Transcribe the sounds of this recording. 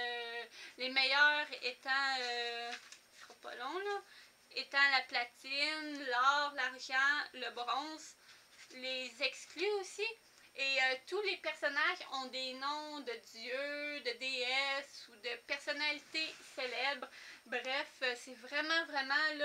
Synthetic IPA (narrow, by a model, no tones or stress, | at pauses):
ølemɛjœːʁet̪ɑ̃ø | ɔpɔ̰lɔ̃lɔ | et̪ɑ̃laplat̪ɪnlɔːʁlaʁʒɑ̃ləbʁɔ̃s | lezɛksklyosi | eøt̪ulepɛʁsɔnaʒɔ̃d̪enɔ̃d̪əd̪jød̪əd̪eɛsud̪əpɛʁsɔnalit̪eselɛbʁbʁɛføsɛvʁɛmɑ̃vʁɛmɑ̃l